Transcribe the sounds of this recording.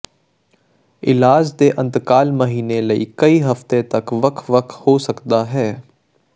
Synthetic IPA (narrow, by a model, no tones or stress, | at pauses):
ɪlaːd͡ʒd̪eːʔə̃nt̪kaːlməɦiːneləḭːkɐiɦɐft̪et̪ɐkʋəkʰʋɐkhoːsɐkd̪aɦɛː